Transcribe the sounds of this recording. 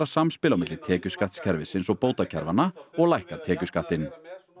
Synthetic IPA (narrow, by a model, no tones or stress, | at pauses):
ɾasamspɪlawmɪt̪lɪt̪ʰɛːcʏskaht̪scʰɛɾvɪsɪnsɔɣpoːwt̪acʰɛɾvanːaɔɣlajhkat̪ʰɛːcʏskaht̪ɪn